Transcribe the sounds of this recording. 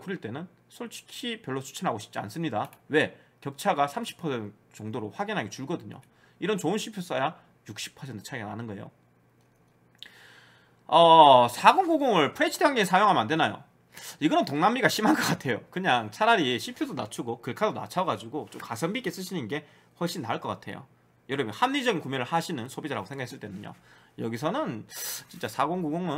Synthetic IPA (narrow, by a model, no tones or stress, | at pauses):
uɾiɭt͈e̞nɯn | sʰoɭt͡ɕʰi̥kɕʰipjʌɭːot͡ɕʰu̥t͡ɕʰinɦaɡoɕʰi̥p̚t͡ɕ͈ia̰ns͈ɯmɲidawe̞kjʌk̚t͡ɕʰaɡasʰamɕʰi̥pʰʌsʰent | t͡ɕʌŋdoɾoɸwaɡinɦaɡe̞t͡ɕuɭɡʌdɯɲo̰ | iɾʌnt͡ɕounɕʰipʰjos͈aja | juk̚ɕ͈ʰi̥pʰʌsʰentʰɯ̥t͡ɕʰaiɡana̰nɯnɡʌe̞jo̰ | ʌsʰaɡoŋɡoɡoŋɯɭpʰɾet͡ɕʰidʰeanɡensʰajoŋamande̞najo̰ | iɡʌnɯntoŋnamːiɡaɕʰimɦankʌk͈atʰe̞jokɯɲaŋt͡ɕʰaɾaɾiɕʰipʰjodona̰t͡ɕʰuɡokɯɭkʰadona̰t͡ɕʰaɡad͡ʑiɡot͡ɕomkasʰʌmbik͈e̞s͈ɯɕʰinɯnɡe̞ | hwʌɭɕ͈inːaɯɭk͈ʌk͈atʰe̞̰jo̰ | jʌɾʌbmjʌnhanːid͡ʑʌɡinkumjeɾɯɭhaɕʰinɯnsʰobid͡ʑaɾaɡosʰeŋɡakʰes͈ɯɭt͈wenɯɲo̰jʌɡisʰʌnɯnt͡ɕint͡ɕ͈asʰaɡoŋɡuɡoŋɯn